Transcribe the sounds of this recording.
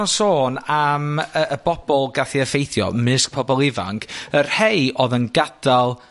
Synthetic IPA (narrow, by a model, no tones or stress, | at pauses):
nsoːnaməəbɔb̥ɔlˠɡaθiəfejθjɔ̰mɪsk̚pʰɔbɔlˠɪva̰ŋkʰərhejʔɔðənɡad̥alˠ